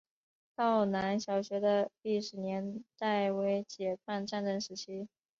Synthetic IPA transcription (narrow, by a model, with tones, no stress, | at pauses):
t̪ɑ˥˩ʊna˧˥nɕjɑ˨˩ʊɕɥɛ˧˥d̪ə˧li˥˩ʂɻ̩˨˩njɛ˧˥nt̪a˥˩ɪwe˧˥ɪt͡ɕjɛ˨˩pʰa˥˧nʈ͡ʂa˥˧nʈ͡ʂə˥˩ŋʂɻ̩˧˥t͡ɕʰi˥